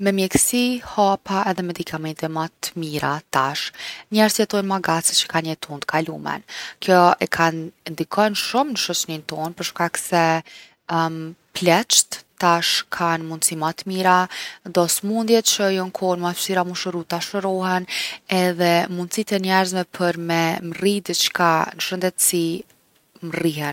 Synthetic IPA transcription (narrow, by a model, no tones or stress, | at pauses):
mɛmjɛksihapaɛðɛmɛd̪ikʰamɛnt̪ɛmat̪miɾa̰t̪aʃɲɛɾzjɛt̪ɔjnmaɡat͡sət͡ɕə̥kanɲət̪ʰund̪kʰalumɛ̰nkjɔɛkʰannd̪ikʰɔjnʃumnəʃɔt͡ɕnint̪ɔnpəɾʃkaksɛ | plɛt͡ʃt̪ːaʃkʰanmund̪simat̪miɾad̪ɔsmund̪jɛt̪t͡ɕəjɔŋkʰɔnmasiɾamuʃəɾut̪aʃəɾɔɦɛnɛðɛmund̪sit̪ɛnɛɾzmɛpʰəɾmɛmrid̪ət͡ʃkanəʃənd̪ɛt̪si | mriɦɛn